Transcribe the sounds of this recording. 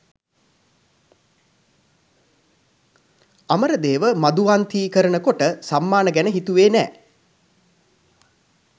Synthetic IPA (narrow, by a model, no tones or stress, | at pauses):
aməɾəd̪eːʋəmad̪uʋant̪iːkəɾənəkoʈəsamːaːnəɡænəɦit̪uʋeːnɛ̰ː